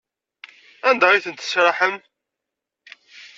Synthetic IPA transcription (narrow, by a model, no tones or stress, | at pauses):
ænd̪ɑɾiθənt̪ə̥sɾɑħəm